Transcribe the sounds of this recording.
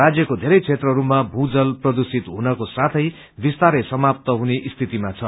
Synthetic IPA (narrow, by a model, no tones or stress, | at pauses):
ad͡zjʌkod̪ʱeɾʌjt͡sʰet̪rʌɾumabʱũd͡zʌlprʌd̪usit̪ɦunʌkosat̪ʰʌj | bist̪aɾesʌmap̚t̪ʌɦuneʔist̪ʰit̪imat͡sʰʌ